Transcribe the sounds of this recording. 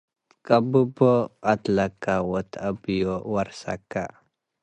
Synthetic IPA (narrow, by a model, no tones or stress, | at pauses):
kʼabubɔat̪lakːawɔt̪ʰabijowaɾsa̰kːa